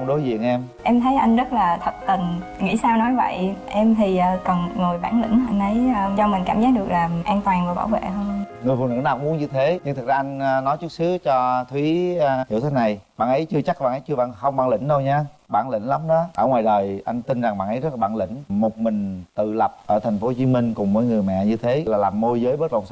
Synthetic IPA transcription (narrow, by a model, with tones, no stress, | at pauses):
ŋ͡mɗo˨˦jzḭ˧˨əŋʔɛ˧m | ʔɛ˧mt̪ʰə˨˦jʔa˧jŋ̟zə˦˥t̚laː˨˩t̪ʰə˨˩t̚t̪ï˨˩ŋŋḭ˧˥saː˧wnɔ˨˦jvə̰˧˨jʔɛ˧mt̪ʰi˨˩ʔəː˨˩kə˨˩nŋo˨˩jɓaː˧˩nlḭ˧˩ŋ̟ʔa˧jŋʔə˨˦jə˧zɔ˧mï˨˩ŋ̟kaː˧˩mzaː˦˥k̚ɗɨ˨˩ək̚laː˨˩mʔaː˧nt̪waː˨˩nvaː˨˩ɓa̰ː˧˩wvḛ˧˨ɦə˧wŋ͡mŋɨ˨˩əjfṵ˧˩nɨ̰˧˥naː˧˩˦mu˨˦ənɲɨ˧t̪ʰe˨˦ɲɨ˧ŋt̪ʰk̚zaː˧ʔa˧jŋ̟˧nɔ˨˦jt͡ɕu˦˥k̚sɨ˨˦ət͡ɕɔ˧t̪ʰwi˨˦t̪i˧˥˨t̪ʰe˦˥t̚na˨˩jɓa̰ː˧˩ʔə˨˦jt͡ɕɨ˧ət͡ɕa˦˥k̚ɓaː˧˨ŋʔə˨˦jt͡ɕɨ˧əɓa˧ŋhə˧wŋ͡mɓaː˧˩nlḭ̈˧˩˥ŋ̟ɗə˧wɲaː˧ɓaː˧˩nlḭ˧˥ŋ̟la˨˦mɗɔ˨˦ʔəː˧˩ŋwaː˨˩jɗəː˨˩jʔa˧jŋ̟t̪i˧nza˨˩ŋɓa̰ː˧˨nʔə˨˦jzə˦˥laː˨˩ɓ̰aː˧˩nlḭ˧˥ŋ̟mo˨˩t̚mï˨˩ŋ̟t̪ɨ̰˧˨lə˨˩p̚ʔəː˧˩t̪ʰjŋ̟fo˨˦t͡ɕi˨˦mï˧ŋ̟kʊ˨˩ŋ͡mvəː˨˦jŋɨ˨˩əjmɛ̰˧˨ɲɨ˧t̪ʰe˨˦laː˨˩laː˨˩mːo˧jzəː˨˦jɓə˦˥t̚ɗə̰˧˩ŋ͡ms